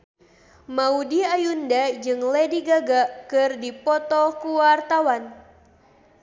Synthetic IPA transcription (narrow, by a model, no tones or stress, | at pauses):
maudiajundad͡ʒɨŋlediɡaɡakɨrdipɔt̪ɔkuwart̪awan